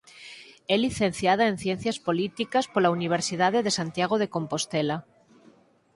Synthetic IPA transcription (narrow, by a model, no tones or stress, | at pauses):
eliθen̟θjað̞aen̟θje̞n̟θjaspo̞lit̪ikaspolauniβ̞eɾsið̞að̞eðesant̪jaɣ̞oð̞e̞ko̞mpo̞st̪ela